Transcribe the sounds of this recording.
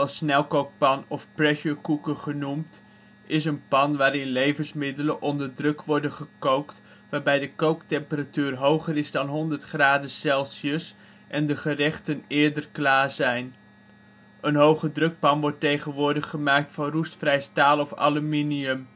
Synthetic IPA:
ɛlˠsnɛlˠkowk̚pɑnɔfprɛʃəkukəχənumt | ɪsənpɑnʋaːɾɪnlejvənsmɪdələnʔɔndəɹdrɵkʋɔɹdənχəkowkt | ʋaːɹbɛjdəkowktɛmpəratyːrɦowχəɾɪzdɑnɦɔndəɹtχraːdəsɛlˠsjəs | ʔɛndəχərɛχtənɪːɹdərklaːɹzɛjn | ənɦowχədrɵk̚pɑnʋɔɹtejχənʋʊːɹdəχːəmaːk̚tfɑnrustfrɛjstaːlˠɔfa̰lyminiɵm

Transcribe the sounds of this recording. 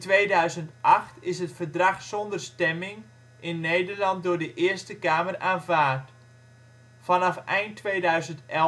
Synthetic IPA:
tʋeːdœɥzəntʔɑxtɪsɦətfərdrɑxsɔndərstɛmɪŋ | ʔɪnːejdərlɑnt̚dʊːɹdəʔɪərstəkaːməraːnvaːrt | fɑnɑfɛjntʰːʋeːdœɥzəntɛ

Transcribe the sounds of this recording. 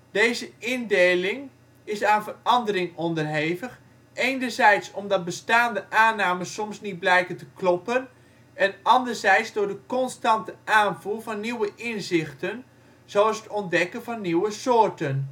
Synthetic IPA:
d̥eːzəɪndeːlɪŋ | ɪsaːnvərɑndəɾɪŋɔndərɦeːvəx | ejnərzɛjtsɔmdɑt̚bəstaːndəʔaːnaːməsɔmsnit̚blɛjkəntəklɔpən | ɛnɑndərzɛjtsdʊːɹdəkɔnstɑntəʔaːnvuvɑnːiwəʔɪnzɪxtən | z̥owsətɔndɛkənvɑnːiwəsoːrtən

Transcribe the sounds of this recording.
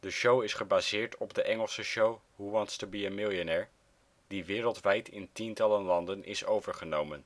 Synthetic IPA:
dəʃowɪsχəbaːzɪːɹtʰɔbdəʔɛŋəlˠsəʃowɦuʋɑnstəbiəmɪlˠjonɛːɹ | d̥iʋɪːɾəlˠtʋɛjtɪntintɑlənlɑndənʔɪ̰sowvəɹχənowmən

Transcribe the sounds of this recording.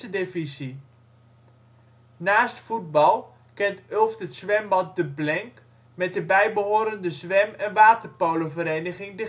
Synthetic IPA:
ədefisi | naːstfud̚bɑlˠ | kɪntølˠftətsʋɛmbɑnt̚dəblɪŋk | mɛt̚əbɛjbəɦoːɾəndəsʋɛmɛnʋaːtərpowləvəɾejnəχɪŋdə

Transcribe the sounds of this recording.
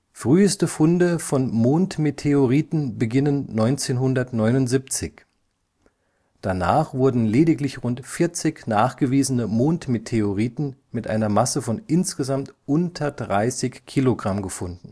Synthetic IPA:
fʁ̥yːəstəfʊndəfɔnmoːntmetʰeoʁiːtn̩bəɡɪnənːɔʏnt͡seːnɦʊndɐtnɔʏnʊntz̥iːp̚t͡sɪç | d̥ana̰ːχv̥ʊɐdn̩leːdɪklɪçʁʊntfɪɐt͡sɪçnaːχɡ̥əviːzənəmoːntmetʰeoʁiːtn̩mɪtʔa̰ɪnɐmasəfɔnʔɪnsɡ̥əzamtʔʊntʰɐdʁaɪsɪçkʰːiːloɡʁamɡəfʊndn̩

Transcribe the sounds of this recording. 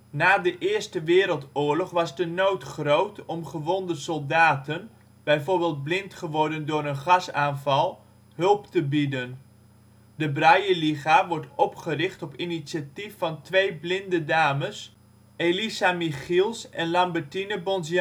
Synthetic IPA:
naːdəʔɪːɹstəʋɪːɾəlˠtʊːɹlɔχʋɑzdənowtχrowtɔmχəʋɔndəsɔlˠdaːtən | b̥ɛjvoːɹbɪːlˠd̚blɪntχəʋɔɹdəndʊːɾənχɑsaːnvɑlˠ | ɦɵlˠptəbidən | dəbrajəliχaʋɔɹtɔpχərɪχtɔpinitsatifːɑntʋejblɪndədaːməs | elisamiχilˠsɛnlɑmbəɹtinəbɔnz

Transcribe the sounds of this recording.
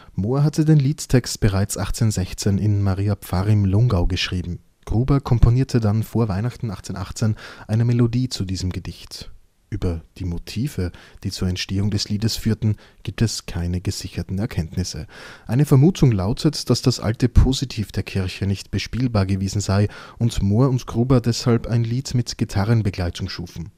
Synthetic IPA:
moːɐɦatədeːnliːttʰɛkstb̥əʁaɪt͡sʔaχt͡senzɛçt͡senɪnmaʁiːapp͡faʁɪmlʊŋɡaʊɡəʃʁ̥iːbm̩ | ɡ̥ʁuːbɐkʰɔmpʰoniːɐtʰədanfoːɐvaɪnaχtn̩aχt͡senʔaχt͡senʔaɪnəmelodiːt͡sudiːzəmɡədɪçt | ʔyːbɐd̥iːmotʰiːv̥əd̥iːt͡suːɐɛntʃteːʊŋdɛsliːdəsfyːɐtn̩ | ɡ̥iːp̚tɛskʰaɪnəɡəz̥ɪçɐtn̩ɛɐkʰɛntnɪsə̰ʔaɪnəfɛɐmuːtʰʊŋla̰ʊtʰətd̥asd̥asʔa̰ltəpʰozitʰiːfd̥eːɐkʰɪɐçənɪçtb̥əʃpiːlbaːɐɡəveːzn̩zaɪʊntmoːɐʊntɡ̥ʁuːbɐdɛshalpaɪnliːtmɪtɡ̥itʰaʁənbəɡlaɪtʰʊŋʃuːfn̩

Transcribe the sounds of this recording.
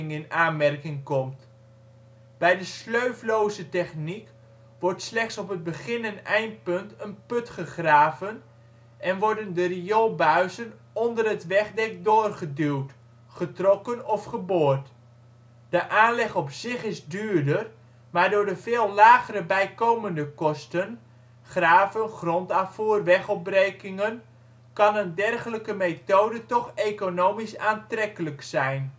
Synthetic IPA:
ɪŋɪnaːnmɛrkɪŋkɔmt | b̥ɛjdəsløɥvlowzətɛχnik | ʋɔrtslɛχtsɔpəd̚bəχɪnənɛjnt̚pɵntənpɵtχəχraːvən | ʔɛnʋɔɹdəndəriolˠbœɥzən | ɔndərətʋɛχdɛk̚doːrχədywt | χətrɔkənɔfχəboːrt | d̥əʔaːnlɛχɔpsɪχɪzdyːrdər | maːrdʊːɹdəvɪːlˠlaːɣəɾəbɛjkoːməndəkɔstən | χraːvənχrɔntafuːrʋɛχɔp̚brejkɪŋən | kɑnəndɛrχələkəmejtowdətɔχekonowmisaːntrɛkələksɛjn

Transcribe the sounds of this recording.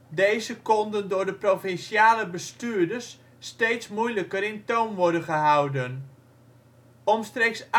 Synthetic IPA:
dejzəkɔndəndʊɹdəprofɪnsjaːləbəstyːdəsː | teːtsmujləkəɾɪntownʋɔrdənχəɦawdən | ɔmstreks

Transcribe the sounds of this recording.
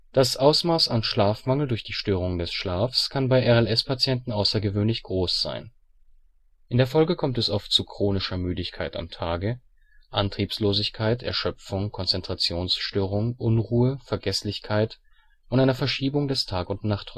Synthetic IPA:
d̥asʔaʊsmaːsanʃlaːfmaŋl̩dʊɐçd̥iːʃtøːʁ̞ʊŋdɛsʃlaːfskʰanbaɪʔɛɐɛlɛspʰat͡sjɛntn̩ʔaʊsɐɡəvøːnlɪçɡ̥ʁoːsz̥a̰ɪn | ʔɪndeːɐfɔlɡəkʰɔmtɛsʔɔftt͡sukʁ̥oːnɪʃɐmyːdɪçkʰaɪta̰mtʰaːɡə | ʔantʁ̥iːpsloːzɪçkʰaɪtɛ̰ɐʃœp͡fʊŋkʰɔnt͡sɛntʁ̥at͡sjoːnsʃtøːʁ̞ʊŋʔʊnʁuːəfɛɐɡɛslɪçkʰaɪt | ʔʊntʔaɪnɐfɛɐʃiːbʊŋdɛstʰaːkʊntnaχt

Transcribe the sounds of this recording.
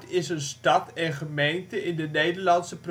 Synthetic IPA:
tɪsənstɑtɛnχəmejntəʔɪndənejdəɹlɑnsəpr

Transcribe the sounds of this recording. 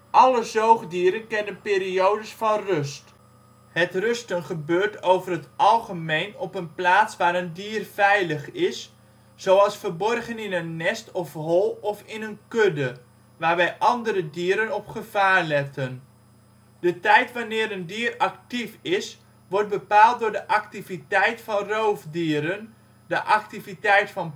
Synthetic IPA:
ʔɑləzowχdiəɾənkɛnənpɪːɾiowdəsfɑnrɵst | hətrɵstənχəbøːrtowvərɦətʔɑlˠχəmejnɔpənplaːtsʋaːɾəndiːərvɛjləχɪsː | owɑlˠsfərbɔrχənɪnənːɛstɔfɦɔlˠɔfɪnənkødə | ʋaːrʋɛjʔɑndəɾədiəɾənɔpχəv̥aːrlɛtən | d̥ətɛjtʋanɪːɾəndiərɑktifɪs | ʋɔɹrt̚bəpaːlˠt̚dʊːɹdəʔɑktivitɛjtfɑnrowvdiəɾən | dəʔɑk̚tivitɛjtfɑn

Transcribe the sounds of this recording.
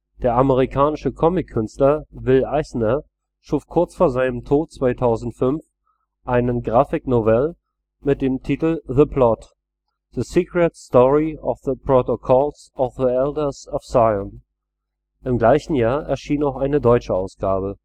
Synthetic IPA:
d̥eːɐaməʁikʰaːnɪʃəkʰɔmɪkʰːʏnstlɐvɪlʔaɪsnɐ | ʃuːfkʰʊɐt͡sfoːɐzaɪnəmtʰoːt̚t͡sv̥aɪtʰaʊzn̩tfʏnf | ʔaɪnənɡʁaːfɪknovɛl | mɪt̚d̥eːmtʰiːtl̩ðəpʰlɔt | ð̥əsiːkʁɛtstɔʁiɔfðəpʁ̥otokʰɔlsʔɔfðiɛldɐsɔfsaɪən | ʔɪmɡlaɪçn̩jaːɐʔɛɐʃiːnaʊxʔaɪnədɔʏt͡ʃəaʊsɡ̥aːbə

